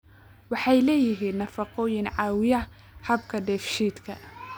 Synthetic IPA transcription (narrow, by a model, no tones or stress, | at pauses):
wɑħɑjlɛːjɪɦiːnːɐfɑqɔːjɪnʕɑːwɪjɐ | hɐbkʰɐd̪ɛfʃiːd̪kʰɐ̰